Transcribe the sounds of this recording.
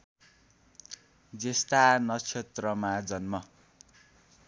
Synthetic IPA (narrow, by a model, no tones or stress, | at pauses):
d͡zest̪anʌt͡sʰet̪rʌmad͡zʌnmʌ